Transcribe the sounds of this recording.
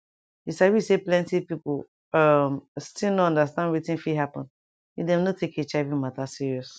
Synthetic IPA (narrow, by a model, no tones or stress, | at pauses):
jisawiseplɛ̃ntipipo | ʌmstilnoɔ̃ndastãndɹitĩnfiɦapɔ̃n | idɛ̃mnotʰeket͡ʃaɪvĩmatasiɹiɔs